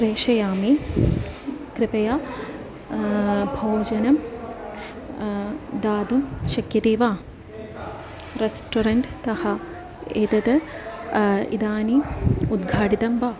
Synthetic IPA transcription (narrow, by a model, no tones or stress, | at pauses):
ʃɾeːʃɐjaːmi | kɾɪpɐjaː | bʱoːd͡ʒɐnɐm | d̪aːd̪umʃɐkjɐt̪eːʋaː | ɾesʈoɾɐɳʈt̪ɐhɐ | eːt̪ɐt̪ɐ | ḭd̪aːniud̪ɡʱaːʈit̪ɐmbaː